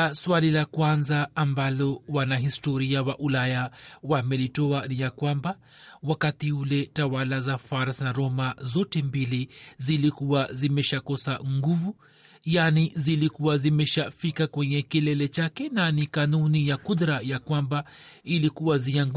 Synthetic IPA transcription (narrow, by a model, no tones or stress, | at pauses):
swalilakwanzaːmbalɔwanaɦistɔɾiawaʔulajawamɛlitɔanijakwamba | wakatiulɛtawalazafaɾasnaɾɔmazɔtɛmbilizilikuwazimɛʃakɔsaŋɡuvu | janizilikuwazimɛʃafikakwɛɲɛkilɛlɛt͡ʃakɛnanikanunijakuðɾajakwamba | ilikuwaziaŋ